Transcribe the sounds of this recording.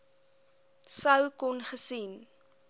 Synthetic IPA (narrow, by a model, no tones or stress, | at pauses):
səwkɔnχəsin